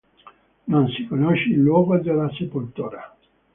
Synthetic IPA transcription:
nonsikonoʃeilːwɔːɡod̪elːasepult̪uːɾa

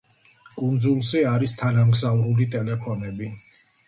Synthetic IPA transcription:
kʼund̪zulˠsiaɾist̪ʰanamɡzavɾulit̪ʼɛlɛpʰɔnɛbi

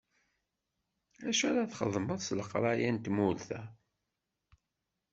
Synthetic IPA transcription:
æʃæɾaθχə̰ðˤməðˤsləqɾˤɑjænt̪mulθæ

